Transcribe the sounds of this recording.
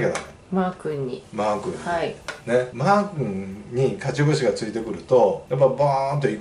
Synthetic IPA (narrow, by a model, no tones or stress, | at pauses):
kena̰ne | maːkɯ̟̃ɲːimaːkɯ̟̃ɲine̞maːkɯ̟̃ŋɲ̟ikat͡ɕiɡoɕiɡat͡sɨit̪e̞kɯ̟ɾɯ̟t̪o̞jap̬ːabant̪̬oik